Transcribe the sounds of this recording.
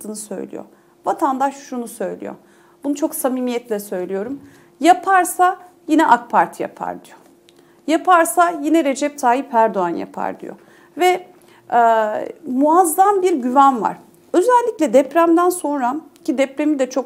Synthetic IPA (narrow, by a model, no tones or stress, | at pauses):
t̪ɯːnɯsø̞̰jlʲḭjo̰ | vat̪ʰand̪aʃʃunusø̞jlʲḭjo̰ | bunut͡ʃʰo̞ksamiːmijɛt̪lʲɛsø̞jlʲijo̞ɾum | japʰaɾsa | jinɛʔakpʰaɾt̪ʰɯja̰pʰa̰ɾd̪ijo | japaɾsajinɛɾe̞d͡ʒɛp̚t̪ʰaːjipʰæɾd̪oanja̰pʰa̰ɾd̪ḭjo̰ | vɛ | ɛːmuazːambiɾɟyvænva̰ɾ̥ | ø̞zælʲːicʲlʲɛd̪ɛpɾæmd̪ænso̞nɾacid̪ɛpɾemid̪ɛt͡ʃʰo̞k